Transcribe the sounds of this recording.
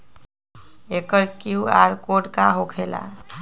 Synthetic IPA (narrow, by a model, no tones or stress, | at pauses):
ekəɾkiua̰ɾkoɖkaɦokʰela̰